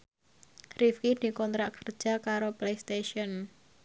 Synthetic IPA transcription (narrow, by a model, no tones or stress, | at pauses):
rifkid̪̥i̤kɔnt̪ɾaʔkərd̥ʒ̥a̤kaɾoplejst̪eʃiɔn